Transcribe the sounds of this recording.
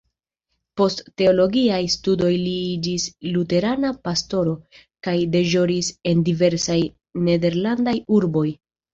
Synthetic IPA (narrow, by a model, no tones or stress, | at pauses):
po̞stːe̞o̞lo̞ɡiajstudo̞jliid͡ʒislute̞ɾanapasto̞ɾo̞ | kajde̞ʒo̞ɾise̞ndive̞ɾsaj | ne̞de̞ɾlandajuɾbo̞j